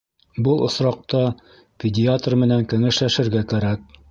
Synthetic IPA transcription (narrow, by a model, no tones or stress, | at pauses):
bɤlˠŏsɾɑq̚t̪ɑ | pʲɪdʲɪat̪rmɘ̆næŋkɘ̆ŋɘ̆ʃlæʃɘ̆ɾɡækæɾæk̚